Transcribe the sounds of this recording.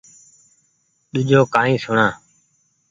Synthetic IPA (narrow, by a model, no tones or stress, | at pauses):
ɗ̪ʊd͡ʒʱoːkaːĩːsʊɳãː